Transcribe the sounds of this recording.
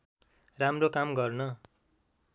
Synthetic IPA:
ramrokamɡʌrnʌ

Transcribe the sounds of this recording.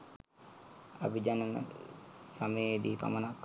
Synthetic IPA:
abid͡ʒanən̰ | saməed̪iːpa̰mənakː

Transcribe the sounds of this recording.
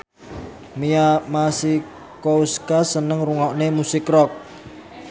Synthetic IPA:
miamasi | kouskasənəŋruŋɔʔnemusɪkrɔk̚

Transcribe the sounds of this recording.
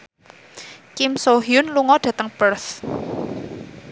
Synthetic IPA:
kɪmsoɦijʊnluŋɔɖ̥ä̤t̪əŋpərθ

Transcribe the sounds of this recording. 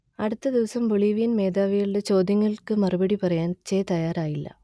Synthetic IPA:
ɐɽut̪ːɐd̪iʋɐsɐmboɭiːʋijɐnme̞ːd̪aːʋɐjiɭɽe̞t͡ɕo̞ːd̪jɐŋːɐɭkɨmɐrubɐɽipɐrɐjaːnt͡ɕeːt̪ɐjaːɾaːjilːɐ̰

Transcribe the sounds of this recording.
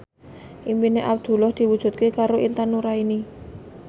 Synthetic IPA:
ʔimpineʔab̚d̪̥ṳlɔhd̪̥i̤wud̥ʒ̥ṳt̪̚kekaɾoʔint̪anuɾaini

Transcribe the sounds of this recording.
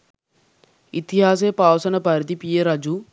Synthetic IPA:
it̪iɦaːs̬eːpaːwsɐnɐpaɾit̪ipijeɾɐd͡ʒu

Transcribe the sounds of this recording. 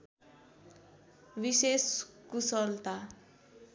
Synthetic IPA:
biseskusʌlt̪a

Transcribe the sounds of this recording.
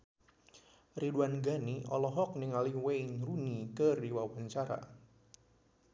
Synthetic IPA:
riduanɡaniʔɔ̰lɔɦɔk̚nɪŋaliwejnrunikərdiwawaɲt͡ʃaɾa̰

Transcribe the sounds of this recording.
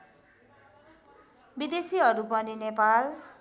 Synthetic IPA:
bid̪esiɦʌɾupʌninepal

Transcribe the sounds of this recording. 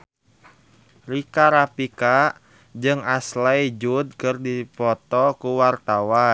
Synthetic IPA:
rikaɾapika | d͡ʒɨŋaslaid͡ʒud̪̚kɨrdipɔt̪ɔkuwart̪awa

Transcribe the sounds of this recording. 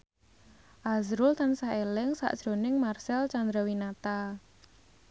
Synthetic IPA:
ʔazɾʊlt̪ansaelɪŋsa̰ʔd̥ʒ̥ɾo̤nɪŋmarsɛlt͡ʃand̪ɾawinat̪a

